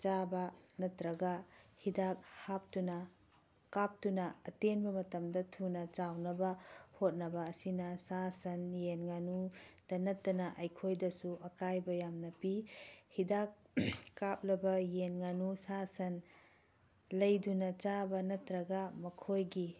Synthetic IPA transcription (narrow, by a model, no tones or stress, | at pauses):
t͡ʃabɐnɐtɾɐɡɐhidak̚hap̚tunɐ | kap̚tunɐɐtenbɐmɐtɐmdɐtʰunɐt͡ʃawnɐbɐhot̚nɐbɐːsinɐsasɐnjenŋanud̥ɐnɐtːɐnɐʔɐjkʰojdɐsuʔɐkajbɐjamnɐpihidak̚ːap̚lɐbɐjenŋanusasɐn | lɐjdunɐt͡ʃabɐnɐtɾɐɡɐmɐkʰojɡi